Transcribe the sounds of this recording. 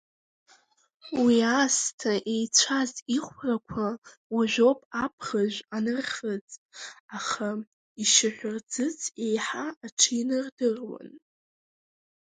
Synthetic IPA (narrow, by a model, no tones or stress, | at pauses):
wiastʰaʔe̞jt͡ɕʷʰaziχʷrakʷʰa | waʒʷᶣopʼapʰχaʑʷanɨrχət͡sʼaχa | iʃɪħʷᶣʊrd͡zɨt͡sʰʼe̞jħaːʈ͡ʂʰɨinɨrdɨrwa̰n